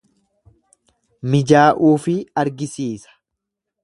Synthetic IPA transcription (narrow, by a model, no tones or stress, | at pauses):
mɪd͡ʒaːʔuːfɪɐɾɡɪsiːsɐ̥